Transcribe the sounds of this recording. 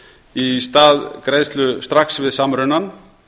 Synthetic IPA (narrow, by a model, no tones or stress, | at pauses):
ist̪aːðkɾejst̪lʏst̪ɾaksvɪðsaːmɾʏnan